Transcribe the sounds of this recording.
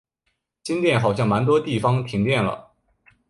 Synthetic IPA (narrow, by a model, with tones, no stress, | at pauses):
t͡ɕi˥nt̪jɛ˥˩nxɑ˨˩ʊɕjɑ˥˩ŋma˧˥nt̪̬wɔ˥t̪i˥˩fɑ˥ŋt̪ʰi˧˥ŋt̪jɛ˥˩nlə̰˩